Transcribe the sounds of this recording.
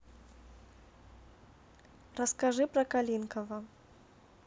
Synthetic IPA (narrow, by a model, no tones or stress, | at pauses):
ɾɐskaʐɨpɾɐkalʲinkɐvɐ